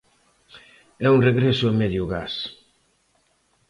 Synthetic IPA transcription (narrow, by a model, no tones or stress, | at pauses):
ɛunreɣɾɛsʊemɛðjʊɣas